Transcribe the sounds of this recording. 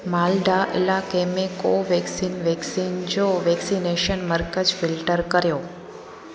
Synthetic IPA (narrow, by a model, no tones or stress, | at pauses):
maːlɖaʔɪ̰lakemekoʋeksinʋeksind͡ʑoʋeksineʃənməɾkəd͡ʒfɪlʈəɾkəɾjoː